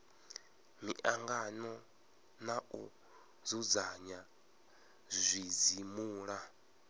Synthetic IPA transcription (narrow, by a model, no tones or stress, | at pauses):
miʔaŋɡanɔ | nau | d͡zud͡zaɲa | zʷid͡zimuːɺa